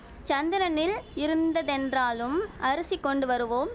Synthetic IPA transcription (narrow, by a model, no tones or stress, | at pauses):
t͡ʃɐnd̪ɪɾɐnɪlɪɾɯnd̪ɐðɛndraːlɯmʔɐɾɯsikːɔɳɖɯʋɐɾɯʋoːm